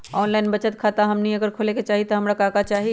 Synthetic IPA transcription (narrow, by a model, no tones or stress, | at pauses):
ɔːnlaːɪnbət͡ʃət̪kʰat̪aɦɐmniɐɡəɾkʰoːleket͡ʃaːɦit̪ɔɦɐmɾakaːkat͡ʃaːɦi